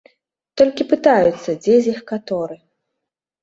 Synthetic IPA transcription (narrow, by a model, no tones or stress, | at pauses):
t̪ɔlʲkʲipɨt̪ajut̪sːɐd͡zʲezʲixkat̪ɔɾɨ